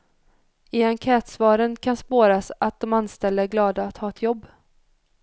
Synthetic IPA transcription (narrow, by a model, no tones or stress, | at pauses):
ɪd̪ankʰɛːt̪svɑːɾənkʰanspoːɾasat̪̚d̪ɔmanst̪ɛləæɡlɑːd̪aːt̪hɑːɛt̪ʰjɔbː